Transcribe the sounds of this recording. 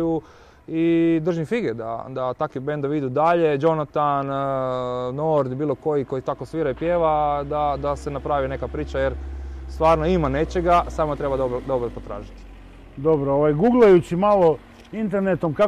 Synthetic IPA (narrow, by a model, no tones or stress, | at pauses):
u | id̪r̩ʒifiɡed̪a̰d̪at̪akʋibend̪aʋid̪ud̪aʎe̞d͡ʒo̞nat̪anː | oɾd̪biːlˠo̞ko̞jiko̞jit̪akosʋiːɾaipje̞ːʋad̪ad̪ase̞napɾaːʋine̞kapɾiːt͡ʃajeɾst̪ʋaːɾno̞imane̞t͡ʃeɡasaːmot̪ɾe̞bad̪obod̪o̞bɾopot̪ɾa̰ːʒit̪i̥ | d̪obɾooʋajɡuɡlˠajut͡ɕimalo | int̪eɾnet̪omka